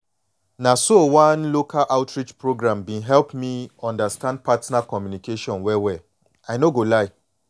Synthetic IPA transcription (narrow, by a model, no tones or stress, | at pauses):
nasowãnlokʰalʔaʊtɹit͡ʃpɹoɡɾãmbĩɦɛlpmiɔ̃ndastãnd̚patnakɔmjunikeʃɔ̃nwɛwɛ | anoɡolaɪ